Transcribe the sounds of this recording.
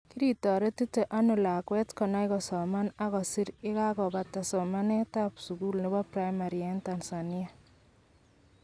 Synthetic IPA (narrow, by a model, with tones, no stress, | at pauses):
ki˦ɾi˨tɔ˨ɾe˦ti˦te˨ʔa˦nʊ˨la˨kwɛ˦tkɔ˨na˦ɪ˦kɔ˨sɔ˨ma˦na˦ɣɔ˨si˦ɾɪ˦ka˦ɡɔ˨ba˨ta˨sɔ˨ma˦nɛ˦ta˦psu˨ku˦lnɪ˦ba˦pɾa˦jma˨ɾia˨˦nta˨nsa˨ni˦a˨